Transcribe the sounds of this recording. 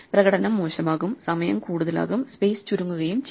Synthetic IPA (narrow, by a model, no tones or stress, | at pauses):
prɐɣɐɽɐnɐmːoːɕɐmaːɣumsɐmɐjɐ̰mkuːɽuðɐla̰ːɣumspeːst͡ɕuɾuŋːuɣɐjumt͡ɕ